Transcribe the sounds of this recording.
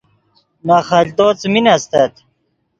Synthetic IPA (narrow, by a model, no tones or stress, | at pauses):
naχɐʎʲt̪ot͡sminɐst̪ɐt̪